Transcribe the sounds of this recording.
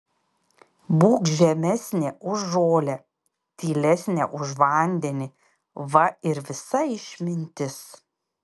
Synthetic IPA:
buːkʒʲɛmʲɛsʲnʲeʔʊʒːoːlʲɛ | t̪ʲiːlʲɛsʲnʲɛʔʊʃʋɐˑnʲd̪ʲɛnʲɪ | ʋɐɪɾʋʲɪsɐɪʃʲmʲɪnʲt̪ʲɪs

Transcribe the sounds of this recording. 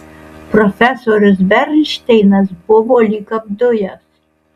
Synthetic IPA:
pɾɔfʲɛsoːɾʲʊsbʲɛɾʲlʲʃʲt̪ʲɛɪnɐsbʊʋoːlʲikɐbd̪ʊjɛs

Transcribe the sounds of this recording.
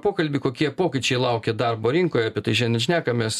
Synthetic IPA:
poːkɐlʲbʲɪːkoːkʲiɛpoːkʲɪt͡ʃʲɛɪlˠɐʊkʲɛd̪ɐrboːɾʲɪŋkoːjɛɐːpʲiɛt̪ɐɪʒʲɛnʲɛnʲæːkɐmʲɛs

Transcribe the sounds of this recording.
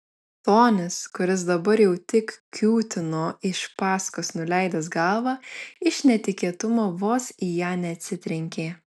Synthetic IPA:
t̪oːnʲɪskʊɾʲɪs̬d̪ɐbɐɾjɛʊt̪ʲɪkkʲuːt̪ʲɪnoːɪʃpɑːskoːsnʊlʲɛɪd̪ɐs̬ɡɐlˠʋɑːɪʃnʲɛt̪ʲɪkʲeɛt̪ʊmoːʋoːsijɑːnʲɛɐt̪ʲsʲɪt̪ʲɾʲɪŋʲkʲeː

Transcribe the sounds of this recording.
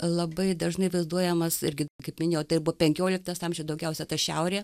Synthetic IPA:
lˠɐbɐɪd̪ɐʒnɐɪʋɐɪzd̪uɔjɛmɐsɪ̰ɾʲɡʲɪkɐɪpmʲɪnʲeːoːt̪ɐɪɪbʊʋɔːpʲɛŋʲkʲoːlʲɪk̚t̪ɐsɑmʲʒʲod̪ɐʊɡʲɛʊsʲɛt̪ɐʃʲɛʊɾʲeː

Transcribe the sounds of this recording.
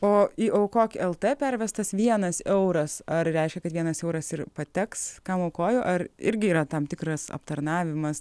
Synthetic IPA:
oːiʔoʊkoːkʲɛlˠt̪eːpʲɛɾʲʋʲɛst̪ɐsʋʲiɛnɐsɛʊɾɐsɐrɾʲɛɪʃʲkʲɛkɐt̪ʋʲiɛnɐsɛʊɾɐsɪrpɐt̪ʲɛkskɑːmoʊkoːjoːʔɐrɪ̰ɾʲɡʲɪiːɾɐt̪ɐmt̪ʲɪkɾɐsɐ̰pt̪ɐɾnɑːʋʲɪmɐs

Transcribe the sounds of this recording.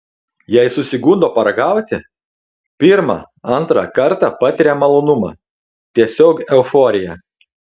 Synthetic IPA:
jɛɪsʊsʲɪɡʊnd̪oːpɐɾɐɡɑˑʊt̪ʲɪ | pʲiɾmɑ̰ | ɐnt̪ɾɑ̰kɐɾt̪ɑpɑt̪ʲɪɾʲɛmɐlˠoːnʊmɑ̰ː | t̪ʲiɛsʲoːkɛʊfɔɾʲɪjɛ

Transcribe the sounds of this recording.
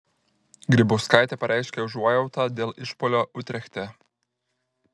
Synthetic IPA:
ɡɾʲɪbɔʊskaˑjt̪ʲɛpɐɾʲʔæˑɪʃʲkʲɛʊʒuɔjɛʊt̪ɐd̪ʲeːlʔɪʃpɔlʲɔʔʊt̪ʲɾʲɛxʲt̪ʲɛ

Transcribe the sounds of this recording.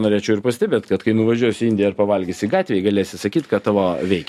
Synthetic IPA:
noːɾʲeːt͡ʃʲɛʊɪɾpɐsʲt̪ʲɛbʲeːt̪kɐt̪kɐɪnʊʋɐʒʲuɔjsʲɪɪnʲd̪ʲɪjɛɪɾpɐʋɐlʲɡʲisʲɪɡɑːt̪ʲʋʲeːjɛɡɐlʲeɛsʲɪsɐkʲiːt̪kɐt̪t̪ɑːʋoːʋʲɛɪkʲ

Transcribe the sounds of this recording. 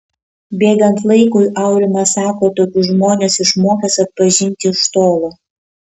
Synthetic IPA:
bʲeːɡɐnt̪lˠɐɪkʊjʔɐʊɾʲɪmɐsɑːkoːt̪oːkʲʊʒmoːnʲesɪʃmoːkʲɛsɐt̪̚pɐʒʲɪnʲt̪ʲɪʃt̪oːlˠo

